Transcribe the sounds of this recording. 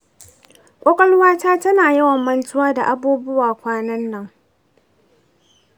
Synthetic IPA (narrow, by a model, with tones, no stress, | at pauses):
kʷʼɔ˦kʼɐ˦lwaː˦taː˦tɐ˦naː˨jɐ˦wɐ˨mːɐ˦ntʊ˦waː˦da˨ʔa˦buː˦bʊ˦waː˨kʷaː˦nɐ˦nːɐ˦ŋ